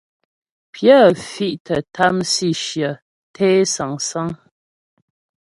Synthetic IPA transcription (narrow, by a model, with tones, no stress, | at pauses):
pʰjə˦fi˦ʔtʰə˨tʰa˦msi˦˨ʃjə˨ | tʰɛ˦sa˨ŋsa˦ŋ